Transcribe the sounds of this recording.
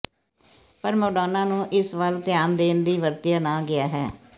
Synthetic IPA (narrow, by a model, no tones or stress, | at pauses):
pəɾmoːɖaːnãːnũːʔɪsʋəlt̪ɪjaːnd̪eːnd̪iːʋəɾt̪ɪjaːnaːɡɪaːɦɛː